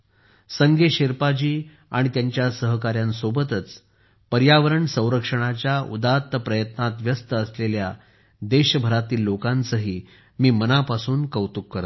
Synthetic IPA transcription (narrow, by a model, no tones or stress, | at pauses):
səŋɡʱeɕeɾpad͡ʑiː | a̰ɽ̃it̪jaɲt͡ɕjasəɦəkaɾjansobət̪ət͡s | pəɾjaʋəɾəɳsə̃w̃ɾəkʂəɽ̃at͡ɕjaṵd̪at̪ːəpɾəjət̪nat̪ʋjəst̪əːslelja | d̪eɕbʱəɾat̪iːlːokãnsəɦiː | miːmənapasuːnkəwt̪ukːəɾ